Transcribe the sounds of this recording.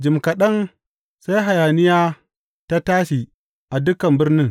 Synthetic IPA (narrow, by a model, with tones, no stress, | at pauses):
d͡ʒɪ˨mkɐ˨ɗɐ˦n | sa˦jɦa˨jaː˨nɪ˦jaː˦ | ta˦taː˦ʃi˨ | ʔa˨dʊ˦kɐ˨mbɪ˦rnɪ˦ŋ